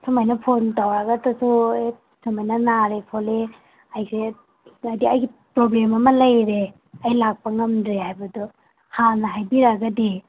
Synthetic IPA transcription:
sumajnɐpʰontawɾaɡɐtɐsue | sumajnɐnaɾepʰole | ɐjse | ɐdiɐjɡipɾoblemɐmɐlɐjɾe | ɐjlak̚pɐŋɐmdɾehajbɐdɔ | hanɐɦajbiɾaɡɐdi

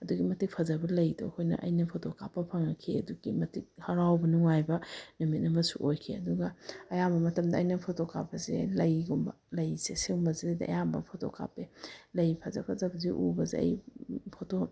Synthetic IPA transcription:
ɐduɡimɐtik̚pʰɐzɐbɐlɐjdo̰hʰojnɐ̰ʔɐ̰jnɐpʰotʰokʰapːɐpʰɐŋɐkʰiɐduɡimɐtik̚hɐɾawbɐnuŋajbɐnumit̚nɐmɐsṵʔojkʰeɐduɡɐɐjambɐmɐtɐmdɐːjnɐpʰotokʰapːɐzelɐjɡumbɐ̰ | lɐjsesewmbɐzedɐ̰jambɐ̰pʰotʰo̰kʰa̰pelɐjpʰazɐ̰pʰazɐbɐzeʔubɐzḛɐ̰jpʰoto

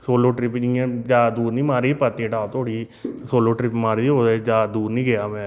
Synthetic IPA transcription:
soːloːʈɾɪpd͡ʒiãːd͡ʒaːd̪uːɾnĩːmaːɾiːpət̪iːʈaːt̪ʰoːɽiː | soːloːʈɾɪpmaːɾiːoːd̪aːd͡ʒaːd̪uːɾnĩːɡejaːmɛ̃ː

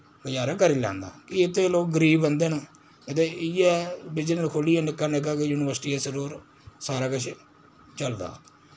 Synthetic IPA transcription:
ɡəd͡ʒaːɾaːkəɾiːlã̰ːnd̪a̰ːkɪɪt̪ʰːeːloːk̚ɡəɾiːbːənd̪eːnaː | ɪt̪eːɪjɛːbɪd͡ʒnːlkʰoːliːɛːnɪkːaːnɪk̬ːaːkɪjuːnɪʋəɾsʈiːɛːsəɾuːɾ | saːɾaːkət͡ʃʰ | t͡ʃəld̪a̰ː

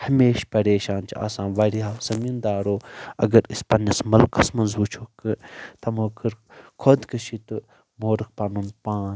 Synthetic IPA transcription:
hɐmeːʃpɐɾeːʃaːnt͡ʃʰia̰ːsãːʋɐɾiaːsɐmind̪aːɾoːɐ̰ɡɐɾispɐnɐsmɐlkɐsmɐnzut͡ʃʰokɨt̪ɐmoːkɨɾkʰod̪kɐʃʰit̪ɨ | moːɾɨk̚pɐnunpaːn

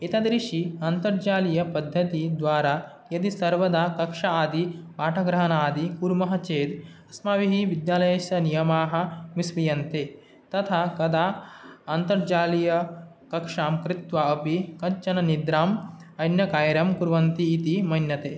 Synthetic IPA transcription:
it̪ɐd̪ɾiʂiɐnt̪ɐɾd͡ʒaːlijɐpɐd̪ʱːɐt̪id̪ʋaːɾa | jɐd̪isɐɾʋɐd̪aːkɐkʂɐaːd̪ipaːʈʰɐɡɾɐɦɐnaːd̪ikuɾmɐɦɐt͡ʃeːd̪ɐsmaːʋiɦiʋid̪jaːlɐjɐsɐnijɐmaːɦɐ̆misʋijɐnt̪eː | t̪ɐt̪ʰakɐd̪ʰaːɐnt̪ɐɾd͡ʒaːlijɐ | kɐkʂaːmkɾɪt̪ʋaɐpikɐɲt͡ʃɐnɐnid̪ɾaːm | ɐnjɐkaːjɐɾjɐmkuɾʋɐnt̪iːt̪imɐnjɐt̪eː

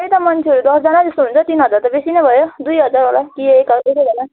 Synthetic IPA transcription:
ʌit̪ʌmʌnt͡sʰeʌɾud̪ʌsd͡zanad͡zʌst̪oɦunt͡sʰʌt̪inɦʌd͡zart̪ʌbesinʌjbʱʌjod̪ujɦʌd͡zaralakieekʌekebʱʌna

